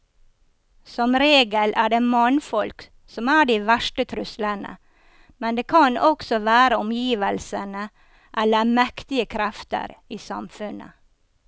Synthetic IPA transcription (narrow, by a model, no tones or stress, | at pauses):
sɔmɾeːɡəlʔæːɖeːmɑnfɔlk | sɔmæːɖiːʋæʂʈət̪ʰɾʉslənə̰ | mɛnd̪eːkʰɑnɔksɔʋæːɾəɔmjiːʋəlsənə | ʔɛlːəmɛkt̪ɪəkʰɾɛft̪ə̰ɾiːsɑ̰mfʉnə̰